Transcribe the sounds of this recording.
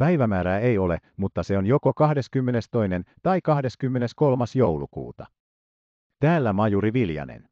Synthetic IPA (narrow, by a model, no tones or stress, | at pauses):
pæjʋæmæːɾæːejo̞le̞mut̪ːɑse̞o̞njo̞ko̞kɑhde̞skymːe̞ne̞st̪o̞jne̞nt̪ɑikɑhde̞skymːe̞ne̞sko̞lmɑsjo̞wlukṵːt̪ɑ | t̪æːlːæmɑjuɾiʋiljɑ̰nḛn